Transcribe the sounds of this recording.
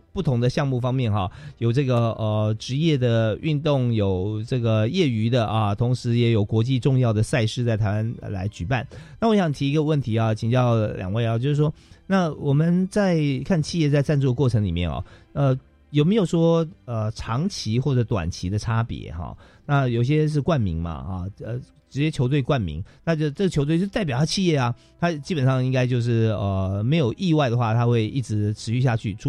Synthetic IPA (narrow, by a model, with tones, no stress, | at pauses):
pu˥˩t̪ʰʊ˧˥ŋd̪ə˧ɕjɑ˥˧ŋmu˥˩fɑ˥ŋmjɛ˥˩nxɑ˩jo˨˩ʊʈ͡ʂɤ˥˩ɡə˩ʔə˧ʈ͡ʂɻ̩˧˥jɛ˥˩d̪ə˩y̰˥˧nt̪ʊ˥˩ŋjo˨˩ʊʈ͡ʂɤ˥˩ɡə˩jɛ˥˩y˧˥d̪ə˨ʔɐ˨t̪ʰʊ˧˥ŋʂɻ̩˧˥jɛ˧˥jo˨˩ʊkwɔ˧˥t͡ɕi˥˧ʈ͡ʂʊ˥˧ŋjɑ˥˩ʊd̪ə˩sa˥˧ɪʂɻ̩˥˧t͡sa˥˩ɪt̪ʰa˧ɪwa˥nə̰˧la̰˧˥ɪt͡ɕy˨˩pa˥˩nna˥˩wɔ˧˥ɕɑ˨˦ŋ˩t̪ʰi˧i˧˥ɡə˧wə˥˩nt̪ʰi˧˥a˨t͡ɕʰi˨˩ŋt͡ɕjɑ˥˩ʊljʔɑ̰˨˩ŋwe˥˩ɪɑ˨˩t͡ɕjo˥˧ʊʂ̩˥˩ʂwɔ˥na˥˩wɔ˨˩mə˦nt͡sa˥˧ɪkʰa˥˧nt͡ɕʰi˥˧jɛ˥˧t͡sa˥˧ɪt͡sa˥˧nt͡swɔ˥˧əkwɔ˥˩ʈ͡ʂʰɤ˧˥ŋli˨˩mjɛ̰˥˩nxɑ̰˨˩ə˧ | jo˨ʊme˧˥ɪjo˨˩ʂwɔ˥ə˧˩ʈ͡ʂʰɑ˧˥ŋt͡ɕʰi˧˥xwɔ˥˩ʈ͡ʂɤ˧˥t̪wa̰˨˩nt͡ɕʰi˧˥d̪ə˧ʈ͡ʂʰa˥pjɛ̰˧˥˦xɑ̰˧˩ | na˥˩jo˨˩ʊ˩ɕ̬ɛ˥ʂ̬ɻ̩˥˧kwa˥˩nmḭ˧˥ŋma̰˧ɐ̰˧ə˧˩ | ʈ͡ʂɻ̩˧˥t͡ɕjɛ˥t͡ɕʰo˧ʊt̪we˥˧ɪkwa˥˩nmḭ˧˥ŋna˥˧t͡ɕo˥˩ʈ͡ʂɤ˥˩ɡə˩o˧˥t̪w̪a˥˩pj̪ʰa˥t͡ɕʰi˥˧jɛ˥˩a˩ | t̪ʰa˥t͡ɕi˥pə˨˩nʂɑ˥˩ŋi˥ŋka˥ɪt͡ɕjo˥˧ʊʂ̬ɻ̩˥˩ə˧me˧˥ɪjo˨˩ʊʔi˥˧wa˥ɪd̪ə˩xwa˥˩t̪ʰa˥xwe˥˧ɪʔḭ˥˩ʈ͡ʂɻ̩˧˥ʈ͡ʂʰɻ̩˧˥ɕy˥˧ɕ̬ja˥˧t͡ɕʰy˥˩ʈ͡ʂʰu˥